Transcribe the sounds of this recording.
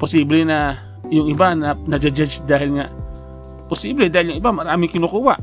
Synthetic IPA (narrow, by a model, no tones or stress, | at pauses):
pɔsiblena | juŋibananad͡ʒad͡ʒad͡ʒdaɦilŋaʔ | posiblidailjuŋibamaɾamikinokuwaʔ